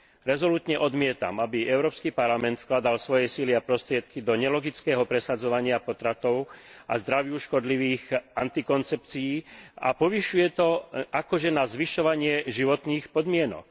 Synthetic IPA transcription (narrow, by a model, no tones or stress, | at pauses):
ɾɛzɔluːt̪ɲɛʔɔd̪mɪɛt̪a̰mabiɛʊɾɔːpskipaɾlamɛnt̪fklad̪alsʋɔjɛsiliapɾɔst̪ɾɪɛt̪kid̪ɔɲɛlɔɡit͡skɛːɦɔpɾɛsad͡zɔʋaɲɪapɔt̪ɾat̪ɔʊa̰zd̪ɾaʋjuʃkɔd̪liʋiːxʔant̪ikɔnt͡sɛpt͡sijiːa̰pɔʋiʃujɛt̪ɔakɔʒɛnazʋiʃɔʋaɲɪɛʒiʋɔt̪niːxpɔd̪mɪɛnɔ̰k̚